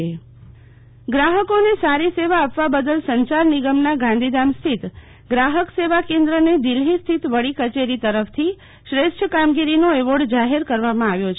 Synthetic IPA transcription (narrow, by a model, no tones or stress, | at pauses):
e | ɡɾaɦəkonesaɾiseʋaːpʋabəd̪əlsəɲt͡ʃaɾniɡəmnaɡãnd̪id̪amst̪ʰit̪ | ɡɾaɦəkseʋakẽnd̪ɾəned̪ilɦist̪ʰit̪ʋəɭikət͡ʃeɾit̪əɾəft̪ʰi | ʃɾeʃʈʰəkamɡiɾinoeʋoɖd͡ʒaɦeɾkəɾʋamãaʋjot͡ʃʰ